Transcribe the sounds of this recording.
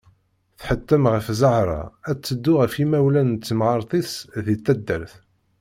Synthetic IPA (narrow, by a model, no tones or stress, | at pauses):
θħət̪ːəmʁəfzəʕɾˤɑ̰æt͡sːəd̪ːʊʁəfimæwlænt͡sːəmʁɑɾˤtˤisðit̪ːæd̪ːəɾθ